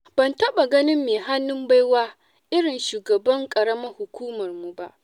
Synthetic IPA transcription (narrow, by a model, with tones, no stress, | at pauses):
b̥ɐ˨ntɐ˦ɓa˨ɡɐ˦nɪ˦mːeː˨ɦa˦nːʊ˦mba˦jwaː˦ | ʔɪ˦ɽɪ˨nʃuː˨ɡɐ˨bɐ˦ŋkʼɐ˨ɽɐ˦mɐ˦rhʊ˨kʷuː˦mɐ˨rmu˨ba̰˦ʔ